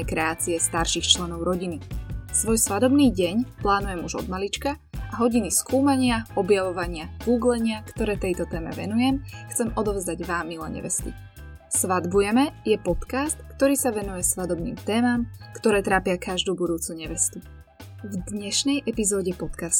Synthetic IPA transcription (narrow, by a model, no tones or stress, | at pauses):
ɛkɾɛaːt͡siɛst̪aɾʃiːxt͡ʃlɛnɔʊɾɔɟinisʋɔjsʋad̪ɔbniːɟɛɲplaːnujɛmuʒɔ̰d̪malit͡ʃka | ʔaɦɔɟiniskuːmaɲɪaɔbjaʋɔʋaɲɪaɡ̥uːɡlɛɲɪakt̪ɔɾɛːt̪ɛjt̪ɔt̪ɛːmɛ̰ʋɛ̰nujɛmxt͡sɛmʔɔd̪ɔʊzd̪aɟʋaːmːilɛ̰ɲɛ̰ʋɛ̰st̪ḭ | sʋad̪bujɛmɛjɛpɔt̪kast̪kt̪ɔɾiːsaʋɛnujɛsʋad̪ɔbnḭːmt̪ɛːmamkt̪ɔɾɛːt̪ɾaːpɪakaʒd̪uːbud̪uːt͡suɲɛʋɛst̪u | vd̪ɲɛʃnɛjʔɛpizɔːɟɛpɔt̪kast̪